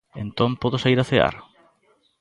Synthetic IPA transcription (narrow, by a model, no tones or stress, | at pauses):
ḛnt̪õmpɔðʊsaiɾaθea̰ɾ